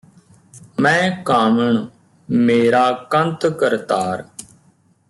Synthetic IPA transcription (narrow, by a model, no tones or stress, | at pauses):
mɛ̃ːkaːməɳ | meːɾaːkənt̪kəɾt̪aːɾ